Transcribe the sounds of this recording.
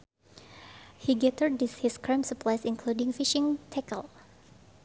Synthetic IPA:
hiɡɛtəɹdishiskʰɹãmsəpʰlajsɪ̃nkʰludɪ̃ŋfiʃɪ̃ŋtʰɛkə̰l

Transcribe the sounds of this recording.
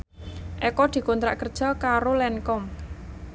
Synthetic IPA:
ʔɛkɔd̪̥i̤kont̪ɾa̰ʔkərd̥ʒ̥a̤kaɾolɛnkɔm

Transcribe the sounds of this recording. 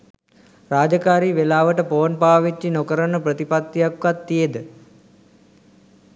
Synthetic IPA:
raːd͡ʒəkaːɾiːʋelaːʋəʈəpoːnpaːʋit͡ʃːinokəɾənəprət̪ipat̪ːijakːat̪ːijed̪ə

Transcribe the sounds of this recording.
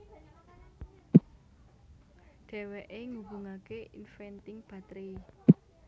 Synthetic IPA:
ɖ̥ɛ̤wɛʔeŋubṳŋakeḭnfɛnt̪ɪŋb̥a̤t̪ɾi

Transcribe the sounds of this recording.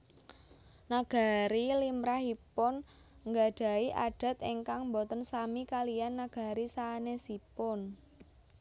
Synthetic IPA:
naɡ̥a̤ɾilimɾaɦipʊn | ŋɡa̤ɖ̥a̤iʔaɖ̥a̤t̪eŋkaŋmbɔt̪ənsamikalijanːaɡ̥a̤ɾisaːnesipʊn

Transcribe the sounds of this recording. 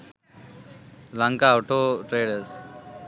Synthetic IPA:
lãŋkaoʈoːʈɾeːɖəs

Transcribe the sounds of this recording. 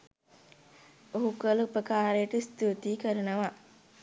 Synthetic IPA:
oɦukələupəkaːɾejəʈəist̪ut̪iːkəɾənəʋa

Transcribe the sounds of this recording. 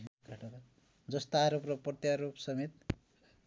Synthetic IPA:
kaʈot̪a | d͡zʌst̪oaɾopropʌt̪jaɾopsʌmit̪

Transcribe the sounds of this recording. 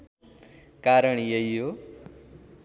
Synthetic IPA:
kaɾʌɳ̃jeijo

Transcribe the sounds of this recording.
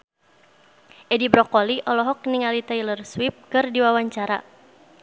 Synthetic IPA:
ʔɛdibɾɔkɔliʔɔlɔɦɔk̚niŋalit̪ailərswip̚kɨrdiwawaɲt͡ʃaɾa̰

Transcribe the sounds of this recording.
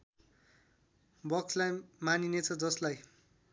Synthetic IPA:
bʌkslajmaninet͡sʰʌd͡zʌslaj

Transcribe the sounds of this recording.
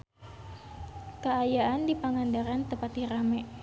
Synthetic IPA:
kəajaandipaŋandaɾant̪əpat̪iɾamɛʔ

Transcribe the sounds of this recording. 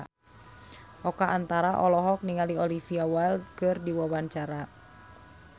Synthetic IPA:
ʔɔkaʔːnt̪aɾaʔɔlɔɦɔk̚niŋaliɔlifiawalkɨrdiwawaɲt͡ʃaɾa

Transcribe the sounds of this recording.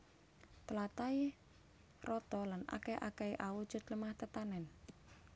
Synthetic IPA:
t̪əlat̪ai | rɔt̪ɔlana̰kɛʔakɛiʔawu̥ʒ̥ʊt̪ləmaht̪ət̪anɛn

